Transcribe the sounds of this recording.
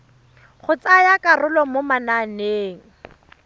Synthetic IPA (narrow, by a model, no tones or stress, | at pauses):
χʊt͡sajakʼarʊlɔmʊmananeːŋ̩